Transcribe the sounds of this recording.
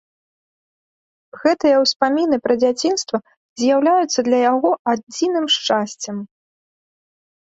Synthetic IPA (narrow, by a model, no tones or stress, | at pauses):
ɣɛt̪ɨjɐwspamʲinɨpɾɐd͡zʲat͡sʲinst̪vɐ | zʲjawlʲajut̪sːɐd̪lʲɐjaɣɔad͡zʲinɨmʂt͡ʂasʲt͡sʲɐm